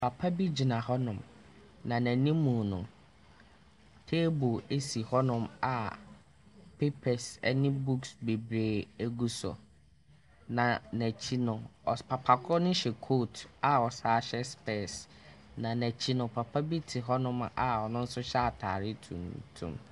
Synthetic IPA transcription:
pʰa˨pʰa˦bi˦d͡ʑi˨nã˨ɦɔ˦nʊ̃˨m | nã˨næ̃˨nĩ˦mũ˨nʊ̰̃˨ | tʰeː˦bo˨e˦si˨hɔ˦nʊ̃˦ma˨ | pʰe˦pʰɛ˨sɛ̰˦nɪ̃˦bu˦ksbe˨bɾeː˨e˦ɡu˦sɔ̰˨ | nã˨næ̃˨t͡ɕʰi˦nʊ̃˨ɔ˨pʰa˨pʰa˨kʰɔ˦nʊ̃˦ɕɛ˨kʰo˦˨ta˨ɔ˨saː˦ɕɛ˦spʰɛ˦˨s | nã˨næ̃˨t͡ɕʰi˦nʊ̃˨pʰa˨pʰa˦bi˦tʰi˨ɦɔ˦nʊ̃˦ma˨ɔ˨nʊ̃˦n̩˦sʊ˦ɕɛ˦a˨tʰa̰ː˨ɾɪ˦tʰṵ̃˨n˨tʰṵ̃˦˨m

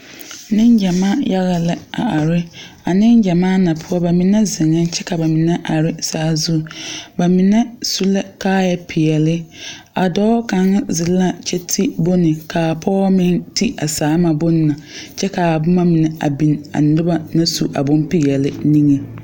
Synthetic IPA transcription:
nɪ˦nd͡ʒa˨maː˦ja˦ɣa˦lɛ˦a̰˨a˨ɾɪ˦ | a˨nɪ˦nd͡ʒa˨maː˦na˨pʰʊ˦ɔ˦ba˨mɪ˨nɛ˦zɪ˨ŋɛ˦t͡ʃɛ˦ka˨ba˨mɪ˨nɛ˦ʔa˨ɾɪ˦saː˦zu˦ba˨mɪ˨nɛ˦su˦lɛ˦kaː˦jɛ˦pʰɪ˨jɛ˨lɪ˦ | a˨dɔː˦ka˨ŋa˦zɪ˨la˦t͡ʃɛ˦tʰi˦bʊ˦nɪ˨kʰaː˨pʰɔː˦mɪ̃˦nti˦a˨saː˨˦ma˨bʊ˦nː˦˨a˨t͡ʃɛ˦ka˨bʊ˦ma˦mɪ˨nɛ˨ʔa̰˨bi˨na̰˨n˨˦dɪ˦ba˦na˦su˨ʔa̰˨bʊ̃˦npi˦jɛ˨lɪ˦nĩ˦ŋe˨

